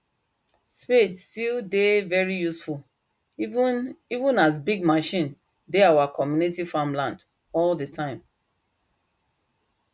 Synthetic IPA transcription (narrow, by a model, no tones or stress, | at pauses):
spetstildevɛɹijusful | ivũnas̬biɡ̚maʃĩn | deawakʰɔmjunitifãmlãnd | ɔldətʰãɪ̃m